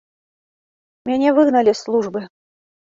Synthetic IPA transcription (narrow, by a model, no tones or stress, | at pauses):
mʲanʲevɨɣnalʲɪslˠuʐbɨ